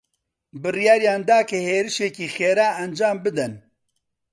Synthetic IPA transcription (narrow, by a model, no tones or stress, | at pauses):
bɨrijaːɾjaːnd̪aːkɨheːɾɨʃekiːxeːɾaːɐnd͡ʒaːmbɨd̪ɛn